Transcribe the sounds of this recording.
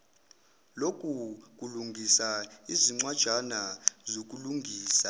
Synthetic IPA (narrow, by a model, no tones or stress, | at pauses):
lok̬ʼuk̬uluŋɡʱisaiziŋ͡ǀwad̥ʒ̥ʱanazok̬ʼuluŋɡʱiːsa